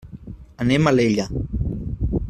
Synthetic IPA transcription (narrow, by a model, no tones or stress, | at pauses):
anemaleʎa